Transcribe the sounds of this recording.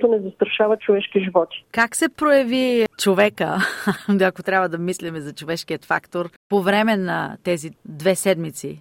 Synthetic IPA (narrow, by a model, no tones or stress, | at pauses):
t̪onɛzɐst̪ɾɐʃavət͡ʃovɛʃkiʒivɔt̪i̥kaksɛpɾojɐvit͡ʃovɛkəd̪ɐkot̪ɾʲjabvəd̪ɐmislimɛzɐt͡ʃovɛʃk̟ijət̪fa̰kt̪oɾpovɾɛmɛnɐ̰t̪ɛzid̪vɛsɛd̪mit̪si